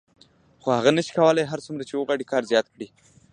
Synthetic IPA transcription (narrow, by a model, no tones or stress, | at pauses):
xohaɣanəʃi̥kawəlajɦaɾt͡sumɾat͡ʃewəɣwaɽikɑɾzjɑt̪kɽi